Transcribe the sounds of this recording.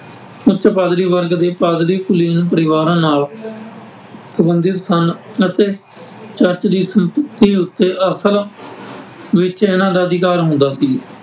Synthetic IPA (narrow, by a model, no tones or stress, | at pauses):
ʊt͡ʃt͡ʃpaːd̪ɾiːʋəɾɡd̪eːpaːd̪ɾiːkʊliːnũːp̬əɾɪʋaːɾãːnaːl | səbənd̪ɪt̪sənət̪eː | t͡ʃəɾt͡ʃd̪iːsəmpət̪iːʊt̪ːeːʔəsəl | ʋɪt͡ʃɪnãːd̪aːəd̪ɪkaːɾɦʊ̃nd̪aːsiː